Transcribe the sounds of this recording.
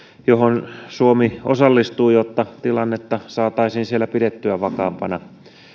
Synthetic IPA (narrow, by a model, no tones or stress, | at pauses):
johonsuomiosɑlːist̪uːjot̪ːɑt̪ilɑnːet̪ːɑsɑːt̪ɑisiːnsielːæpidet̪ːyæʋɑkɑːmpɑnɑ